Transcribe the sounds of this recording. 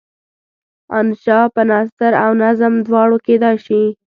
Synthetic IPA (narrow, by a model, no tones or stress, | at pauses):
a̰nʃɑpənɑst̪aɾawnazəmd̪wɑɽoked̪ɑjʃi